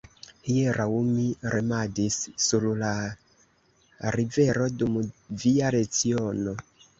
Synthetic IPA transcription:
hieɾaumiɾemadisːuɾla | ɾive̞ɾo̞dumviaɾe̞t͡siono̞

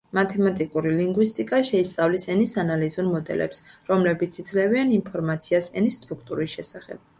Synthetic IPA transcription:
mat̪ʰɛmat̪ʼikʼuɾiliŋɡwist̪ʼikʼaʃɛist̪sʼavlisɛnisanalizuɾmɔd̪ɛ̰lɛ̰psɾɔmlɛbit̪sʰid̪zlɛvianinpʰɔɾmat̪sʰiasɛnist̪ʼɾuk̚ʰt̪ʼuɾisʃɛsaχɛ̰b̥̚

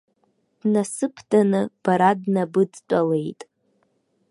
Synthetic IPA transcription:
d̥nasɨpʰdanɨb̥aɾadnabɨd͡zt͡ʃʷʼale̞jtʼ

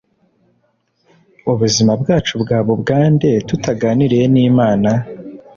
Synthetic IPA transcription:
uβuzimabɡaːt͡ʃubɡaːβubɡaːnde̞tutaɡaːniɾeeniːmaːna

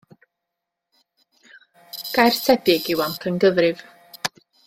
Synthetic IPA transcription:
ɡ̥ajr̥tʰɛbɪɡɪwamkʰənɡəðrɨv̥

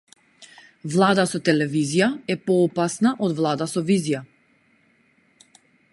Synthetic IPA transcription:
vlˠad̪asɔt̪ɛlɛvizijaɛpɔːpasnaʔɔd̪vlˠad̪asɔvizija

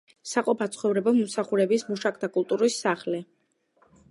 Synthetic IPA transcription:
saqʼɔpʰat̪sʰχɔvɾɛbɔmɔmsaχuɾɛbismuʃakʰʼd̪akʼulˠt̪ʼuɾisːaχlɛ

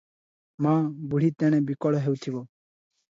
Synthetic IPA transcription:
mãːbʊɽ̤iːt̪ɛ̃ːñɛ̃ːbikɔɽɦeut̪ʰiʋoː

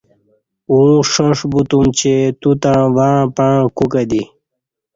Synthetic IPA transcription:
ũʂoʂbut̪umt͡ɕet̪ut̪ãʋaːpaːkukad̪i

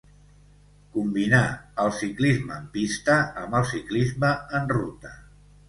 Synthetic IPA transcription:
kumbinaəlˠsiklizməːmpist̪əəmbəlˠsiklizməənrut̪ə

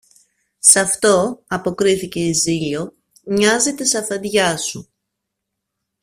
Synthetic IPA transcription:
sɐft̪o̞ɐpo̞kɾiθice̞iziʎo̞ | ɲɐzet̪esɐfɐd̪ʝɐsu

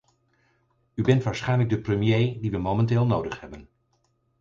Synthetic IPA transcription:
ybɛntʋaːɹsχɛjnləɡ̚dəprəmjejdiʋəmomɛntɪːlˠnowdəχhɛbən

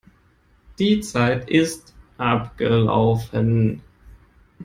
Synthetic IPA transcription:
d̥iːt͡saɪtɪstʔapɡ̥əla̰ʊfən

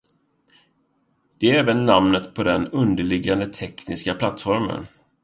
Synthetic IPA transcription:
d̪̥ɛæɾɛːvənːamnət̪pʰɔd̪ɛnɵnd̪əɭɪɡand̪ət̪ʰɛknɪskapʰlat̪ːfɔɾmə̰n

